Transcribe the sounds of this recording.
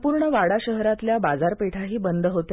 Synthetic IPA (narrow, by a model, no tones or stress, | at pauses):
puɾɳəʋaɽaɕəɦɾat̪ljabad͡zaɾpeʈʰaɦiːbənd̪ʱəɦot̪